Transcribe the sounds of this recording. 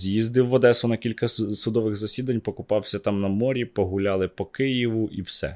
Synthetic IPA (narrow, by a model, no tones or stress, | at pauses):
zʲjizd̪ɪwːɔd̪ɛsʊnɐkʲilʲkɐsʊd̪ɔʋɪɣzɐsʲid̪ɐnʲpɔkʊpɑwsʲɐt̪ɑmnɐmɔɾʲipɔɦʊlʲɑlˠɪpɔkɪjiʋʊʔiwsɛ̰